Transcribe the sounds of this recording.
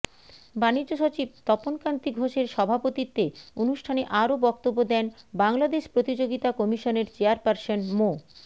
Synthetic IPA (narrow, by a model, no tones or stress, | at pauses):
banid͡ʑːoʃot͡ɕib̚t̪ɔponkant̪iɡʱoʃeɾʃɔbʱapot̪it̪ːeonuʃʈʰaneʔaɾobɔk̚t̪obːod̪ɛnbaŋlad̪eʃpɾot̪id͡ʑoɡit̪akɔmiʃoneɾt͡ɕeaɾpaɾsonmo